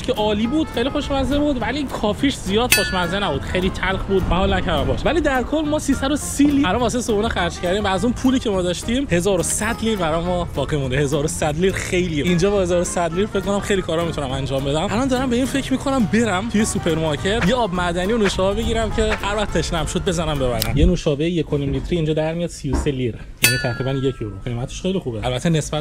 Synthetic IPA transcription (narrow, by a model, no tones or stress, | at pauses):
kʰeʔɒːliːbud̪̥xejlixo̞ʃmæzebud̪vælikʰɒːfiʃzijɒːd̪χo̞ʃmænzenæbuːd̪xe̞jlit̪ʰælxbuːd̪bæhɒːlnæcʰæɾd̪æmbɔ̰ʃvæliːd̪æɾkʰolmɒːsiːsæd̪osiliælɒnvɒːs̬esobuːnexæɾd͡ʒcʰæɾd̪imvæːzunpʰuːliːcʰe̞mɒːd̪ɒʃt̪imhe̞zɒːɾosæd̪liːɾbæɾɒjmɒbɒːɣimund̪ehe̞zɒːɾosæd̪liːɾxe̞jliːind͡ʒɒːbɒːhe̞zɒːɾosæd̪liːɾfe̞ckʰːo̞næmxe̞jlikʰɒːɾɒmit̪ʰunæmænd͡ʒɒːmbe̞d̪æmʔælɒːnd̪ɒːɾæmbe̞iːnfe̞cʰmiːkʰo̞næmbe̞ɾæmt̪ʰujesupʰe̞ɾmɒɾcʰe̞t̪jeɒːbmæd̪ænijonoʃɒːbɛbe̞ɟiːɾæmcʰe̞hæɾvæχt̪ːʰeʃnæmʃo̞d̪̚be̞zænæmbe̞βæ̰næ̰mjenoʃɒːbejejekʰonimlit̪ʰɾiːnd͡ʒɒːd̪æɾmijɒd̪sijose̞liɾ | jæniːt̪ʰæɣɾiːbænjecʰoɾṵxemæt̪ʰe̥ʃxejlixubeʔælbæt̪ʰːenesbæ